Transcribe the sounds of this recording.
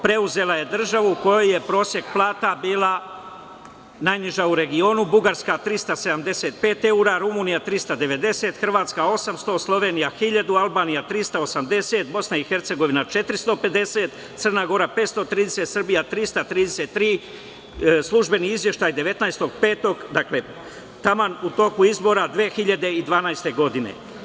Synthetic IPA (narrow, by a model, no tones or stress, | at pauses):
pɾe̞uze̞lˠaje̞d̪r̩ʒaʋuuko̞joje̞pɾo̞ːsje̞kplˠaːt̪abiːlˠa | najniʒauɾe̞ɡio̞ːnubuɡaɾskat̪ɾist̪ase̞d̪amd̪e̞se̞ːt̪̚pe̞ːt̪e̞uɾaɾumuːnijat̪ɾist̪ad̪e̞ʋe̞d̪e̞se̞t̪xr̩ʋaːt̪skao̞samst̪o̞slˠo̞ʋe̞nijaxiʎad̪ualbaːnijat̪ɾist̪ao̞samd̪e̞se̞ːt̪bo̞snaixeɾt̪se̞ɡo̞ʋinat͡ʃe̞t̪ɾist̪o̞pe̞d̪e̞se̞ːt̪ | t̪sər̩naːɡo̞ɾape̞ːt̪st̪ot̪ɾiːd̪eset̪sərbijat̪ɾist̪at̪ɾiːd̪ese̞t̪ːɾiː | slˠuʒbe̞niizʋje̞ʃt̪aːjd̪eʋe̞t̪naest̪o̞ɡpe̞ːt̪o̞ɡd̪akle̞ | t̪amanut̪o̞kuizbo̞ɾad̪ʋeːxiʎad̪e̞id̪ʋaːnaest̪e̞ɡo̞d̪inḛ